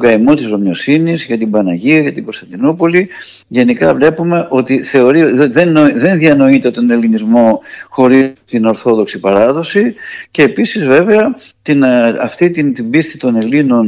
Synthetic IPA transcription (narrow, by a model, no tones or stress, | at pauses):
kɐimot̪izɾo̞mɲo̞sinizʝɐt̪ibɐnɐʝiɐʝɐt̪ibost̪ɐnd̪inupo̞li | ʝe̞nikɐvle̞pume̞ʔo̞t̪iθe̞o̞ɾiðenoðe̞nðiɐno̞it̪e̞t̪o̞ne̞linizmo̞xo̞ɾit̪ino̞ɾθo̞ðo̞ksipɐɾɐðo̞sice̞ːpisizve̞ve̞ɐ | t̪inɐft̪it̪int̪imbist̪i̥t̪o̞ne̞lino̞n